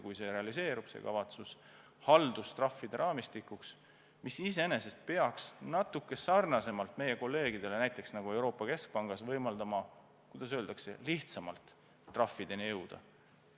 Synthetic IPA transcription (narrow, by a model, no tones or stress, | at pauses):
kujse̞ɾe̞ɑlise̞ːɾub̥sḛkɑ̰vɑt̪sus | hɑld̪ust̪rɑfːid̪e̞ɾʔɑːmist̪ikːˑuks | misiseene̞se̞st̪̚pe̞ɑksnɑt̪ːˑukːˑe̞sɑrnɑse̞mɑlt̪ˑme̞je̞ko̞lːe̞ːɡ̥id̪̥e̞le̞næjt̪ːˑe̞ksnɑɡ̥ue̞wɾo̞ːpːˑɑke̞sk̚pɑŋɡ̥ɑsvɤjmɑld̪̥ɑmɑ | kujd̪̥ɑs̬øːld̪̥ɑkse̞̰liht̪sɑmɑlt̪ː | rɑfːid̪̥e̞nijɤwd̪̥ɑ̰